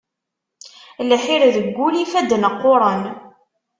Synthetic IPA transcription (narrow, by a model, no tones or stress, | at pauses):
lħiɾðəɡʷːulifæd̪ːnəqːʊɾˤən